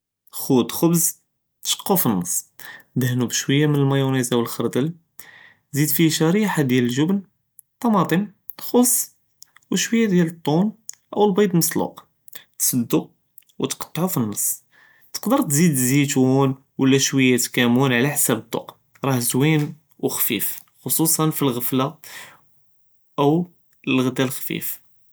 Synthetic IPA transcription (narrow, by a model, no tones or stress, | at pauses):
xud̪xʊbz | t̪ʃə̥qːufinːɑsˤːd̪əhnubʃwəjːamənəlmæjunizawəlxəɾd̪əl | zid̪fiʃæɾiħad̪jæləlʒʊbn | t̪ˤːɑmɑt̪ˤim | xosˤː | wəʃwəjːad̪jælət̪ˤːunʔə̰wəlbɑjd̪lməsˤlṵq | t̪sˤɑd̪ːu | wt̪qɑ̥t̪ˤːʕufinːɑsˤː | t̪ə̥qd̪əɾˤt̪zid̪zit̪un | wəlːæʃwəjːat̪kæmunʕlæħsæbət̪ˤːo̰q | ɾˤɑhzwin | wxfḭf | xosˤusˤɑnfilɣəfla | ʔəw | əlɣd̪ælxfḭf